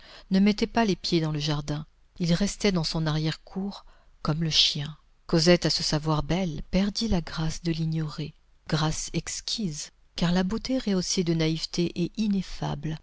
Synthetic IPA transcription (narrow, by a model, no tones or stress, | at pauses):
nəmɛt̪ɛpalepjed̪ɑ̃ləʒaʁd̪ɛ̃ | ilʁɛst̪ɛd̪ɑ̃sɔ̃naʁjɛʁkʰuʁ | kɔmləʃjɛ̃ | kɔzɛt̪asəsavwaʁbɛlpɛʁd̪ilaɡʁasd̪əliɲjɔʁe | ɡ̥ʁasɛkskʲʰiz | kaʁlabot̪eʁeosed̪ənaivt̪eʔɛinefa̰bl